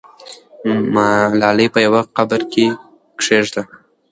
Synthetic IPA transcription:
malɑlipəjawaqabəɾke | kʂeʐd̪a

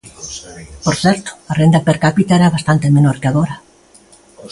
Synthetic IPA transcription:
poɾθɛɾt̪o̥arend̪apeɾkapit̪aɛɾaβast̪ant̪emenoɾkeaɣoɾa

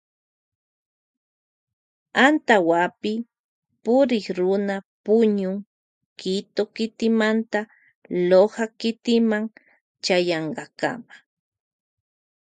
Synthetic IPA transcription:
ant̪awapɪ | pʊɾɪχɾʊnapʊɲʊŋ | kɪt̪okɪt̪ɪmant̪a | lohakɪt̪ɪmaŋ | t͡ʃajɑɴɢɑka̰ma

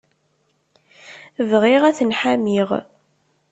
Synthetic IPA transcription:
vʁiʁæθənħamiʁ

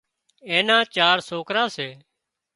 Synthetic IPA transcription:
eːnãːt͡ʃaːɾsoːkɾaːseː

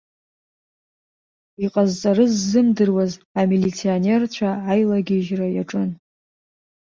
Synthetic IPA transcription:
iqʼazt͡sʼaɾɨzːɨmdɨrwazamilit͡sʰionert͡ɕʷʰaajlaɡʲiʒrajaʈ͡ʂʼɨn

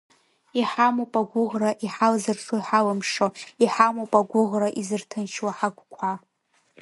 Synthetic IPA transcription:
iħamopʼaɡʷʊʁraʔiħalzɨrsʰoiħalamʂoiħamopʼaɡʷʊʁraʔizɨrtʰɨnt͡ʃʰwaħaɡʷkʷʰa

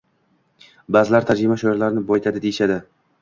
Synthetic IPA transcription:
bazɪlaɾt̪ʰad͡ʒɾɪmaʃoɪɾlaɾnɪbɒjt̪ʰad̪ɪd̪ejɪʃad̪ɪ

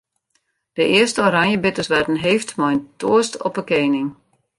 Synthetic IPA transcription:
d̥əʔɪəstəoɾaŋjəbɪtəsʋɛtn̩ɦeːftmɔjntoəstɔ̰pəkeːnɪŋ

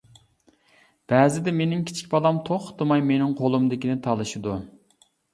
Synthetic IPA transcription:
b̥æːzɪd̪ɛmenɪŋkʲʰi̥t͡ʃʰi̥kʲbɑlˠɑmt̪ʰoχt̪ʰɨmɑjmenɪŋqʰolˠumd̪ɪkʲinɪt̪ʰɑlˠɨʃid̪u

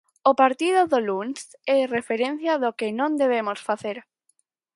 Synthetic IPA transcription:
opaɾt̪iðoðolunsɛrefeɾen̟θjaðokɪnõnd̪eβ̞emosfaθeɾ

